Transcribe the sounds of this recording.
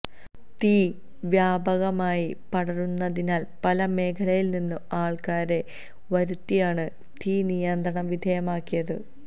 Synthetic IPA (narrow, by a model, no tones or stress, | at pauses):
t̪iː | ʋjaːbɐɣɐmaːjipɐɽɐrunːɐðinaːlpɐlɐme̞ːkʰɐlɐjilninːuaːɭkaːɾe̞ | ʋɐɾut̪ːijaːɳɨ | t̪ʰiːnijɐnd̪ɾɐɳɐmʋid̪ʱejɐmaːkːijɐðɨ